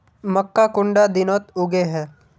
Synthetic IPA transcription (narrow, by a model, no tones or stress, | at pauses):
mɐkːakʊ̃ɳɖad̪ɪnɔːt̪ʊɡeɦɛː